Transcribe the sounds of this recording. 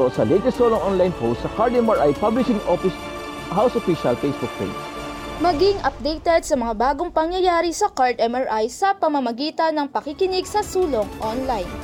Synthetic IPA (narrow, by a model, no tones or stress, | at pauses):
osɐlɛjt̪ɛst̪soloŋʔonlajnpost̪sɐkaɹd̪ɛmaɹʔajpablɪʃɪ̃ŋʔofɪs | hawsofiʃɐlfejsbʊk̚t̪ḛmsmɐɡɪŋʔɐp̚d̪ejt̪ɛd̪̚sɐmɐŋabaːɡoŋpɐŋjɐjaːɾisɐkaɹd̪ɛmɐɹʔajsɐpɐmɐmɐɡiːt̪ɐnɐŋpɐkɪkɪnɪɡsɐsuːlo̞ŋʔonlajn